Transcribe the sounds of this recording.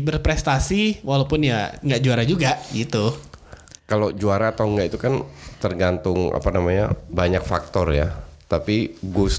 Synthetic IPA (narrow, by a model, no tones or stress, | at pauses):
bərpɾɛst̪asiwalawpʊnjaŋɡaʔd͡ʒuaɾad͡ʒuɡaɡit̪u | kalod͡ʒuaɾaːt̪awŋɡaʔit̪ukant̪ərɡant̪ʊŋa̰panamaɲa̰baɲak̚fak̚t̪ɔrjat̪apiɡus